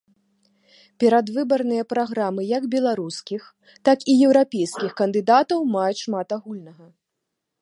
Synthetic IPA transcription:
pʲɛɾad̪vɨbɐrnɨjɐpɾaɣɾamɨjɐɡbʲɛlˠaɾuskʲix | t̪akijɛwɾapʲejskʲixkɐnd̪ɨd̪at̪ɐwmajut͡sʲʂmat̪aɣulʲnɐɣɐ

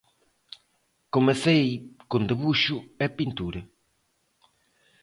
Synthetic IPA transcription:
komesejkõnd̪eβuʃʊɐpint̪uɾɐ

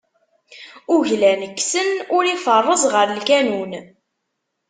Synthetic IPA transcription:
uʝlænəkːsənʊɾifərˤːəzˤʁəɾlkænun

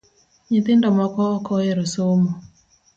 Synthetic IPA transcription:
ɲɪt̪ɪndɔmɔkɔːkɔeɾosomo

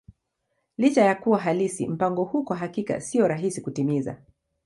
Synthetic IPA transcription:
lit͡ʃajakuwaɦalisḭm̩paŋɡɔhukwaɦakika̰siɔɾaɦisikutimiza̰

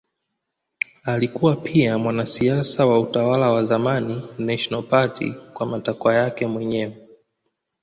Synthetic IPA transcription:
alikuwapʰiamwanasiasawautawalawazamaninaʃnalpatḭkwamatakwajakɛmwɛɲɛwɛ

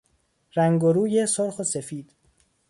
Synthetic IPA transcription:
ɾæŋɡoɾuːjesoɾxose̞fiːd̪̥

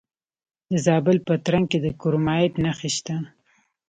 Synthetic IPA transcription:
d̪əzɑbɪlpət̪ɾaŋ̚ked̪əkʊɾmɑeʈnaxiʃt̪a

